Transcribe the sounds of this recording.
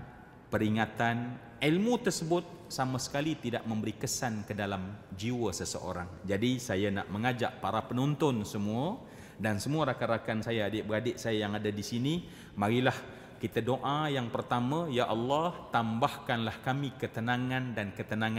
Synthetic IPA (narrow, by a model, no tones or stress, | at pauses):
pəɾiŋat̪an | ilmut̪ərsəbʊt̪̚samasə̥kalit̪idaʔməmbəɾikəsankədalamd͡ʒiwəsəsə̰o̰ɾaŋd͡ʒadisajana̰ʔməŋad͡ʒa̰ʔpaɾapənɔnt̪ɔnsəmua | dansəmuaɾakaɾakansajaːdɪʔbəɾadɪʔsajajaŋadadisini | maɾilah | kit̪adoʔajaŋpərt̪amajaʔɑlːɑht̪ambahkanlahkamikət̪ənaŋandankət̪ənaŋa